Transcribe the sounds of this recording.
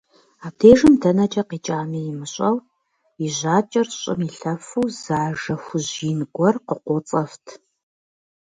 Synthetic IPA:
aːbdʰeːʒɨmdʰɐnɐt͡ʃʼɐqiːt͡ʃʼaːmijɪmɨɕʼɐw | iʑaːt͡ʃʼɐrɕʼɪ̰miɬɐfuwz̥aːʒɐxʷʊʑiːnɡʷɔrqəqʷɔt͡sʼɐftʰ

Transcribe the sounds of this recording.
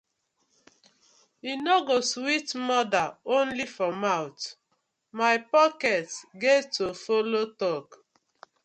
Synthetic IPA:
inɔɡoswitmɔdaõnlifɾɔmawt | maɪpɔkɛtɡetofolotɔk

